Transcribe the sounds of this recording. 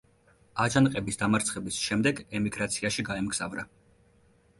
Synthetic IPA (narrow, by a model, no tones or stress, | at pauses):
ad͡ʒanqʼɛbisd̪amaɾt̪sʰχɛbisʃɛmd̪ɛɡɛmiɡɾat̪sʰiaʃiɡaɛmɡz̥a̰vɾa̰